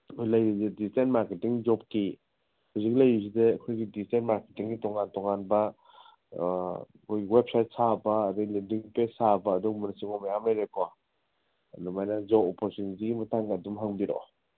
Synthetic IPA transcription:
ojlajɾizedistentmaɾketiŋd͡ʒɔp̚ki | huzik̚lajɾis̬ideɐkʰojɡidistentmaɾketiŋːitɔŋantɔŋanbɐ | kʰojɡiwep̚sajt̚sabɐːdiɡlendiŋpesabɐːduɡmunasiŋɔmajamlajɾekɔ | dumajnɐd͡ʒɔɔpoɾtunitiɡimɐtʰaŋadumɦaŋbiɾo̰

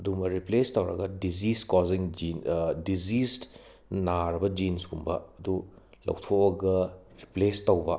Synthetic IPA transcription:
ɐdumɐɾiplestowɾɐ̰ɡɐdiziskoziŋd͡ʒindid͡ʒist | naɾɐbɐd͡ʒinsɡumbɐɐdu | lɐ̰wtʰoɐɡɐɾiplestowbɐ

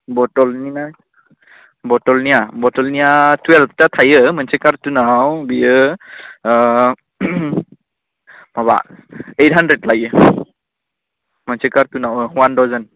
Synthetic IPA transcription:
bɔtɔlninaj | bɔtɔlnijabɔtɔlnijatwɛlftatʰajɯmansɛkaɹtunawbijɯ | maba̰ejt̚ɦandɹɛdlaɡɯ | mansɛkaɾtunawwantawzan

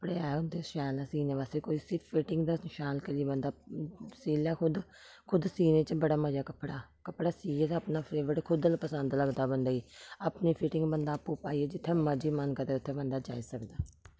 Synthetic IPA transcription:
əpɽeːaːʊnd̪eːʃɛːlãːsiːnẽːʋaːst̪eːkoːiːsɪppʰɪʈɪ̃ŋɡd̪anɪʃaːlkəliːbənd̪aːsiːlaːkʰʊd̪ | kʰʊd̪siːnẽːt͡ʃbəɽaːməd͡ʒaːkəpːɽaːkəpɽaːsiːd͡ʒet̪ːəpnaːpʰleːʋəɽkʰʊd̪əlpəsənd̪ləɡd̪aːbənd̪aːiːaːpniːpʰɪʈɪ̃ŋɡbənd̪aːpːuːpaːiːɛːd͡ʒɪt̪ʰːẽːməd͡ʒiːmənkəɾeːʊt̪ʰːẽːbənd̪aːd͡ʒa̰ːiːsəkd̪aː

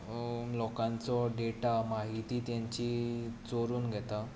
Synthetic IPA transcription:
lɔkãnt͡sɔɖeʈamaɦit̪iːt̪jãɲt͡ɕit͡soɾuːnɡʱɛt̪a

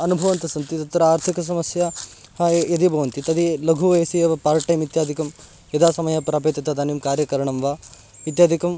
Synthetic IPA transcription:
ɐnubʱɐʋɐnt̪ɐsɐnt̪it̪ɐt̪ːɾɐaːɾt̪ʰikɐs̬ɐmɐsjɐ | hɐjɐd̪ibʱɐʋɐnt̪it̪ɐd̪ilɐɡʱuʋɐjsijɐʋɐpaːɾʈɐjmit̪jaːd̪ʱikɐm | jɐd̪aːsɐmɐjɐpɾaːpeːt̪ɐt̪ɐd̪aːnimkaːɾjɐkɐɾɐɳɐmʋaː | it̪jaːd̪ʱikɐm

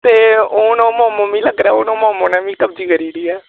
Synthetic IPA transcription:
t̪eːoːnõːmõːmoʋĩːləɡɾaɛːoːnõːmɔ̃ːmõːnɛ̃ːʋĩːkəb̚d͡ʒiːkʰəɾiːɖiːɛː

